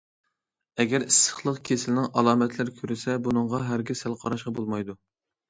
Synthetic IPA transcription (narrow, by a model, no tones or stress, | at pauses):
ɛɡʲɛɾisːə̥χlˠəqkʲʰesɪlnɪŋʔɑlˠɑːmɛt̪ʰlɪɾɪkʲʰøɾɪsɛbunɨŋʁɑɦæɾɡʲɪsælˠqʰɑɾɑʃqɑbolˠmɑjd̪u